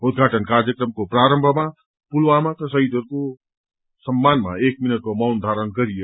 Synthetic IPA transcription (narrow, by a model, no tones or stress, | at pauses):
ud̪̚ɡʱaʈənkaɾjəkɾəmkopɾaɾəmbʱəma | pulʋamakəsəɦit̪əɾko | səmːanma̰ek̚minət̪̚komawnd̪ʱaɾənɡəɾije